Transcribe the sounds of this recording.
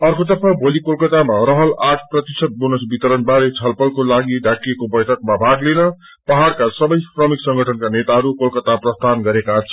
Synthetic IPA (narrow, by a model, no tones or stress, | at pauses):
ʌrkod̪ʌpʰabʱolikolkʌt̪amarʌɦʌlaʈʰprʌt̪isʌt̪̚bonʌsbit̪ʌɾʌnbaɾet͡sʰʌlpʌlkolaɡiɖʱakːiekobʌjʈʰʌkmabʱaɡlenʌ | pʌɦaɽkasʌbʌjsrʌmiksʌŋɡʱʌʈʰʌnkanet̪aɦʌɾukolkʌt̪aprʌst̪ʰanɡʌɾekat͡sʰʌ